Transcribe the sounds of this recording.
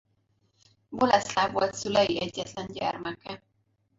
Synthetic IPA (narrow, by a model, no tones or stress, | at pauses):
bolɛslaːvo̞lt̪sylɛjiɛɟːɛt̪lɛnɟɛ̰rmɛkɛ